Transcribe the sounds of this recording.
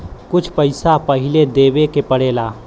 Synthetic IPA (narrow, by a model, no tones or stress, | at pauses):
kʊt͡ʃʰpəɪsapɐɦɪled̪eːʋekepəɽeːlaː